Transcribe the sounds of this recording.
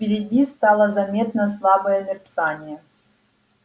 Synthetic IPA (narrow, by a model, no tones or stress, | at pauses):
pʲɪɾʲɪdʲist̪alˠəzɐmʲe̞t̪nɐslˠabəjɐlʲɪrt̪sanʲijɛ